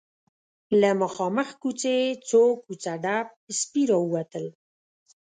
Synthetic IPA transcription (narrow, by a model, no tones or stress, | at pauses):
ləməxɑməxkut͡set͡sokut͡saɖap̚spiɾɑəwat̪əl